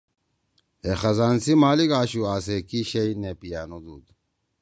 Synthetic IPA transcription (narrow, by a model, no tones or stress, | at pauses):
exɐzaːnsimaːlikaːɕuaːsekiɕeinepijaːnud̪uːd̪